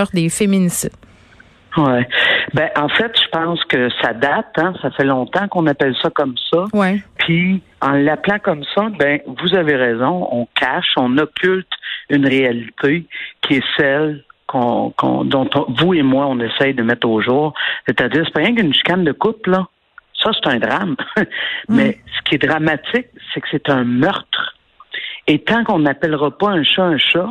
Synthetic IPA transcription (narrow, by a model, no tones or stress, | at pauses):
ʁd̪efeminisɪ̰d̪ | wɛbɛ̃ʔɑ̃fɛt̪ʒ̥əpɑ̃ːskəsad̪at̪ãsafɛlɔ̃ːt̪ãkɔ̃napɛlsʌkɔmsʌwɛpʰi | ɑ̃lːaplɑ̃kʌmsʌbɛ̃vuzaveʁɛːzɔ̃ɔ̰̃kʰʲaʃɔ̃nɔkʲylt̪ynʁealit̪ʰekʲʰiɛsɛlkʰɔ̰̃kɔ̰̃d̪ɔ̃t̪ɔ̃vuemwaɔ̃nesɛjd̪əmɛt̪oːʒuːʁset̪add͡ziːʁse̥pɑʁjɛ̃kynʃi̥kand̪əkʊplʌ | sʌse̥t̪ɛ̃d̪ʁam | mɛsə̥kʲied̪ʁamat͡sɪk̚sɛkə̥set̪ɛ̃mœʁt̪χ | et̪ɑ̃kɔ̃napɛlʁɑpʌɛ̃ʃɔɛ̃ʃɔ